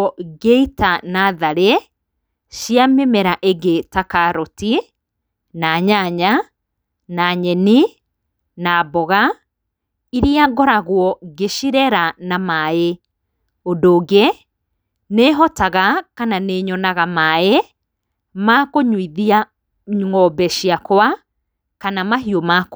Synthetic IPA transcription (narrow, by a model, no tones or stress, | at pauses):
ɔɡeitanaðaɾe | ʃiamemɛɾaʔeɡetakaɾɔti | naɲaɲa | naɲɛni | nabɔɣa | iɾiaɡɔɾaɣwɔɡeʃiɾɛɾanamae | odoːɡe | neɦɔtaɣakananeːɲɔnaɣamae | makoɲwiðia | ɲŋɔbɛʃiakwa | kanamaɦiomak